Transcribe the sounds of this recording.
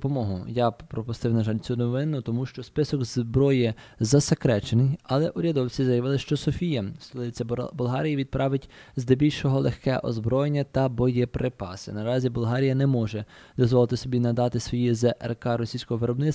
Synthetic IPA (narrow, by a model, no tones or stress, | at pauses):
pɔmɔɦʊjɑpɾɔpʊst̪ɪwnɐʒɑlʲt͡sʲunɔʋɪnʊt̪ɔmuʃt͡ʃɔspɪsɔɡzbɾɔjɛzɐsekɾɛt͡ʃenɪjɐlˠɛʔʊɾʲɐd̪ɔwt͡sʲizɐjɐʋɪlˠɪʃt͡ʃɔsɔfʲijɐst̪ɔlˠɪt͡sʲjɐbʊlˠɦɑɾʲijiʋʲid̪̚pɾɑʋɪtʲzd̪ɛbʲilʲʃɔɦɔlˠexkɛʔɔ̰zbɾɔjenʲːɐt̪ɐbɔjɛpɾɪpɑ̰sɪ̰nɐɾɑzʲibʊlˠɦɑɾʲijɐnɛmɔʒɛd̪ɔzʋɔlˠɪt̪ɪsɔbʲinɐd̪ɑt̪ɪsʋɔjizɛʔɛ̰rkɑɾɔsʲijsʲkɔɦɔʋɪɾɔbnɪs